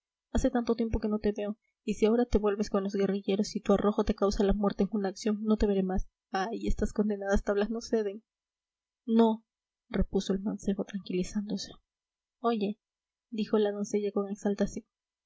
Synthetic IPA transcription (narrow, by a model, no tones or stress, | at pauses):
ase̞t̪ant̪o̞t̪je̞mp̬o̞ke̞no̞t̪e̞βe̞o̞ | isiao̞ɾat̪e̞βwe̞lβe̞sko̞nlozɣe̞riʝe̞ɾo̞sit̪uarʔo̞xo̞t̪e̞kawsalamwe̞ɾt̪eŋunaːksjo̞ŋno̞t̪e̞βe̞ɾe̞mas | ajest̪asko̞nd̪enaðast̪aβlasno̞se̞ðeŋ | no̞ | re̞puso̞e̞lmanse̞βo̞t̪ɾaŋkilisand̪o̞se̞̥ | o̞ʝe̞ | d̪ixo̞laðo̞nse̞ʝako̞ŋe̞ksalt̪asjo̞n